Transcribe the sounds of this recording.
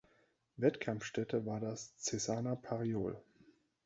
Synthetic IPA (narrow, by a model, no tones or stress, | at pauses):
vɛtkʰamfʃtɛtʰəvaːɐdast͡sɛsaːnapʰaʁioːl